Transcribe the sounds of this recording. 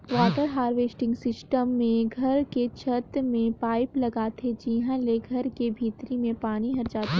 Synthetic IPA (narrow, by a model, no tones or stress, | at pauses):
ʋaːʈəɾɦaːɾʋeːsʈɪ̃ŋɡsɪsʈəmːẽɡʱɐɾket͡ʃʰɐt̪mẽpaːɪplɐɡaːt̪ʰed͡ʒiɦãleɡʱɐɾkebʱiːt̪ɾimẽpaːñiɦɐɾd͡ʒaːt̪e